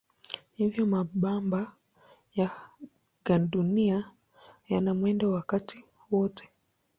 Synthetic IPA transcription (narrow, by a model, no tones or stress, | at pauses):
hivjɔmaɓamba | ja | ɡaɗunia | janamwɛndawakati | wɔtʰɛ̥